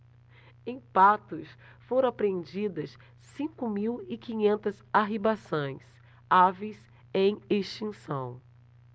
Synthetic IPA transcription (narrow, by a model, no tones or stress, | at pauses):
ẽj̃pat̪ʊs | foɾõw̃apɾeẽnd͡ʒid̪ɐs | sĩkʊmiwɪkĩɲẽnt̪ɐzaɦibasõj̃s | avejs | ẽj̃eʃt͡ʃĩsɐ̰̃w̃